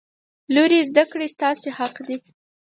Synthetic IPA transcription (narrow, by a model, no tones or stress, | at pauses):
loɾezd̪akɽest̪ɑsehaqd̪i